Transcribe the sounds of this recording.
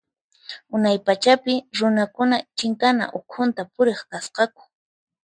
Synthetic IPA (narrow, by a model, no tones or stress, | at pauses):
ʊnajpat͡ʃapɪɾʊnakʊnat͡ʃɪŋkana̰ʔʊkʰʊnt̪apʊɾeχkasqɑkʊ̥